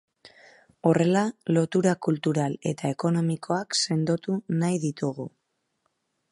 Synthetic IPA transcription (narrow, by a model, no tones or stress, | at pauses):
o̞re̞lalo̞t̪uɾakult̪uɾale̞t̪ae̞ko̞no̞mikʰo̞akse̞nd̪o̞t̪unajðit̪uɣ̞u